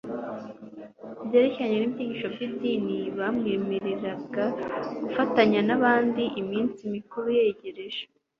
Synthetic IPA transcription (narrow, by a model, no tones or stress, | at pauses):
bje̞ːɾeciaɲenibɟiːɟiʃo̞b̚ɟibdiːniβamŋe̞ːme̞ɾe̞ɾaɡaɡ̥ufataɲanaβaːndiʔimiːnt͡simikuɾuje̞ːɟe̞ɾe̞ʒe̥